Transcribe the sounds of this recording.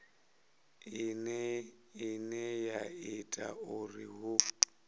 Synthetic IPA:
ɪnɛ | ɪnɛjaɪtʼa̰ʊriɦʊ

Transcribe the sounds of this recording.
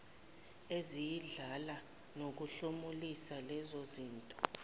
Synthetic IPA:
ezijiɮala | nok̬uɬomulisalɛzoziːntʼɔ̥

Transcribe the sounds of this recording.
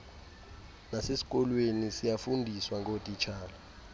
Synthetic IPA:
nasesi̥k̬ʼɔlwenisijafundʱiswaŋɡʱotʼit͡ʃʰaːla

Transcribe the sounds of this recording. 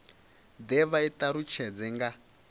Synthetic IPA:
d̪ɛβait̪aɾut͡ʃʰɛd͡zɛŋɡa

